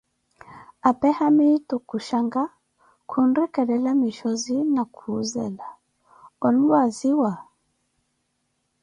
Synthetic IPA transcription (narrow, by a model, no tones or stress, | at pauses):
apɛhamitɔkuʃaŋɡa | kʰundikɛɾɛlamiʃɔzinakʰuːzɛ̰la | ɔnwaziwa